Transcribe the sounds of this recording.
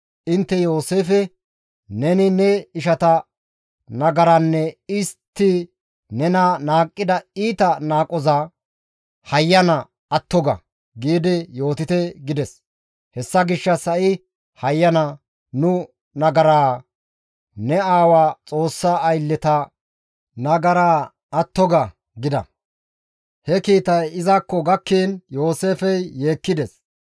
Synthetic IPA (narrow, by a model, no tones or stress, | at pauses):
ʔɪnt̪ːɛjo̞ːse̞ːfɛ | nɛnɪnɛɪʃɐt̪ɐ | nɐɡɐɾɐnːɛɪst̪ːɪ | nɛnanaːkʼːɪd̪ɐiːt̪ɐnaːkʼɔzɐ | hɐjːɐnɐ | ɐt̪ːɔɡɐ̰ | ɡiːd̪ɛjo̞ːt̪ɪt̪ɛɡɪd̪ɛs | hɛsːɐɡɪʃːɐsɐʔɪ | hɐjːɐnɐ | nʊ | nɐɡɐɾaː | nɛaːwaːt͡sʼo̞ːsːaːjlːɛt̪ɐ | nɐɡɐɾaː | ɐt̪ːɔɡɐ | ɡɪd̪ɐ̰ | hɛkiːt̪ɐjɪzɐkːɔɡɐkːiːnjo̞ːse̞ːfɛjːeːkːɪd̪ɛs